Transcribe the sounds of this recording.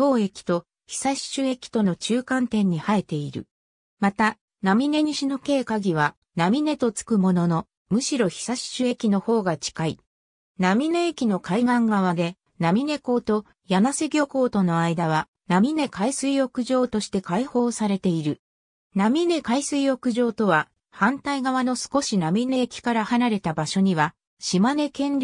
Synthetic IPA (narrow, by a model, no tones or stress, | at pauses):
to̞ːe̞kʲi̥t̪o̞ | çi̥saɕi̥t͡ɕɨe̞kʲi̥t̪o̞no̞t͡ɕɨːkãnt̪ẽ̞ɲ̟ːihae̞t̪e̞iɾɯ̟̰ | mat̪a | namʲine̞ɲ̟iɕino̞ke̞ːkaɡʲiβ̞a | namʲine̞t̪o̞t͡sɨ̥kɯ̟mo̞no̞no̞ | mɯ̟ɕiɾo̞çi̥saɕi̥t͡ɕɨe̞kʲino̞ho̞ːɡat͡ɕi̥kai | namʲine̞ekʲino̞kaiɡãŋɡaβ̞ad̪e̞ | namʲine̞ko̞ːt̪o̞ | janase̞ɡʲo̞ko̞ːt̪o̞no̞aid̪aβ̞a | namʲine̞kaisɨijo̞kɯ̟ʑo̞ːt̪o̞ɕi̥t̪e̞kaiho̞ːsaɾe̞t̪e̞iɾɯ̟ | namʲine̞kaisɨijo̞kɯ̟ʑo̞ːt̪o̞βa | hãnt̪aiɡaβano̞sɨ̥ko̞ɕinamʲine̞ːkʲi̥kaɾahanaɾe̞t̪abaɕo̞ɲ̟iβ̞a | ɕimane̞kẽ̞nɾʲ